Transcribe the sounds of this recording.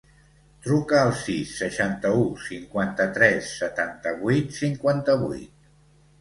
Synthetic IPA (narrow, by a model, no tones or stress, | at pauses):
t̪ɾukəːlˠsisːəʃant̪əusiŋkwant̪ət̪ɾɛsːət̪ant̪əβujt̪siŋkwant̪əβṵjt̪̚